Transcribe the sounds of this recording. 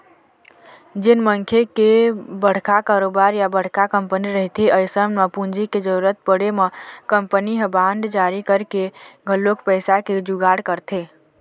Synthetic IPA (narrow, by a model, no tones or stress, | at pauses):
d͡ʒenməŋkʰekebəɽ̤kakaɾobaɾjabəɽ̤kakəmpəniɾəɦit̪ʰiʔəjsəmmepũnd͡ʒiked͡ʒəɾuɾət̪̚pəɽemekəmpəniɦəbãɳɖd͡ʒaɾikəɾkeɡʱəlːokpəɪsaked͡ʒuɡaɽkəɾt̪ʰe